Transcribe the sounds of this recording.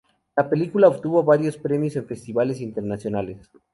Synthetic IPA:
lape̞likulaoβt̪uβoβaɾjo̞spɾe̞mjose̞nfe̞st̪iβale̞s̬int̪e̞ɾnasjo̞nales

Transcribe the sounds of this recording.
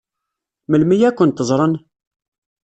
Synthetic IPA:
məlmijækʷːənt̪əzˤɾˤən

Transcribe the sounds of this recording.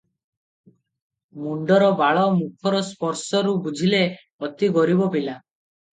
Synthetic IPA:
muɳɖɔɾɔbaɭɔmukʰɔɾɔspɔɾsɔɾubud͡ʒʱile | ɔt̪iɡɔɾibɔpila

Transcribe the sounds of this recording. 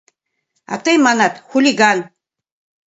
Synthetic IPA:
a̰t̪ʰejmanat̪xulʲiɡan

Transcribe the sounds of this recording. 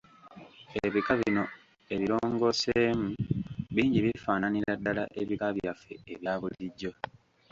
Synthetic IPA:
eβikaβino̞ | e̞βiɾoːŋɡo̞ːseːmuβiːɲɟiβifaːnaniɾadːala̰ʔeβikaβjafːe̞̰eβjaːβuliɟːo̞

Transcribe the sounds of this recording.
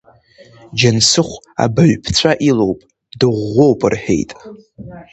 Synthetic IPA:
d͡ʒansɨχʷ | a̰bɨɥʷᶣpʰt͡sʷʰaʔilo̞wpʼ | dɨʁʷo̞wpʼɨrħe̞̰jtʼ

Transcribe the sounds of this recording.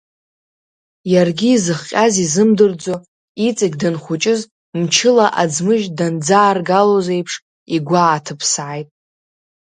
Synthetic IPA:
jarɡʲiːzɨχqʲʼazizɨmdɨrd͡zo | it͡sʼɪɡʲdɨnχʷʊt͡ʃʼɪz | mt͡ʃʰɪlaʔad͡zmɨʒdand͡zaːrɡalozejpʰʂ | iɡʷaːtʰɨpʰsʕajtʼ

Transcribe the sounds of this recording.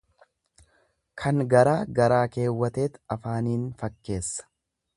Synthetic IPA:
kʰɐŋɡɐɾaːɡɐɾaːke̞ːwːɐt̪e̞ːt̪ɐfaːniːnfɐkːe̞ːsːɐ̥

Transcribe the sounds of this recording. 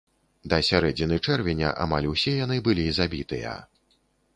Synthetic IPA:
d̪ɐsʲaɾɛd͡zʲinɨt͡ʂɛrvʲɛnʲɐ̰ʔa̰malʲuwsʲɛjan̪ɨbɨlʲizabʲit̪ɨjɐ̰

